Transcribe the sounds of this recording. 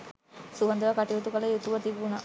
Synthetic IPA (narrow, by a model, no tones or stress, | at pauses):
suʋɐnd̪ɐʋɐkaʈiʋut̪ukɐlɐjut̪uʋɐt̪ibunɐ